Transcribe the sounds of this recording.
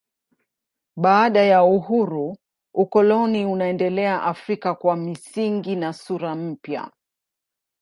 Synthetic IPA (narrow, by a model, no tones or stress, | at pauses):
ɓaːɗajauhuɾu | ukɔlɔniunaɛndɛlɛaʔafɾikakwamisiŋɡinasuɾam̩pja̰